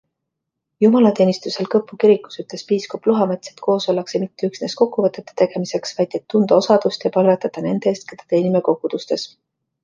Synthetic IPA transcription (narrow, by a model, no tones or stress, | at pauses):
jumɑlɑt̪eːnist̪use̞lkɤpːˑukiɾikːˑu̥syt̪le̞spiːskopluɦɑme̞t̪set̪ko̞ːso̞lːɑkse̞mit̪ːeyksne̞sko̞kːuvɤt̪ːˑe̞t̪ːˑe̥t̪e̞ɡ̥e̞mise̞ksvɑjd̪̥e̞t̪ːund̪ɑo̞sɑd̪̥ust̪jɑpɑlvet̪ːˑɑt̪ːɑne̞nd̪̥eest̪̚ked̪̥ɑ̥t̪e̞ːnimeko̞ɡ̥ud̪̥ust̪e̞s